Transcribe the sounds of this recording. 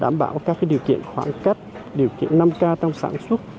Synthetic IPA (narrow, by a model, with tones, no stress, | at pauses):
ɗa̰ː˧˩mɓa̰ː˧˩wkaː˦˥k̚ːa˨˦ɗi˨˩əwkḭ˧˨ənxwaː˧˩ŋka˦˥jk̚ɗi˨˩əwkḭ˧˨ənːa˧mkaː˧t͡ɕa˧wŋ͡msa̰ː˧˥nswə˦˥t̚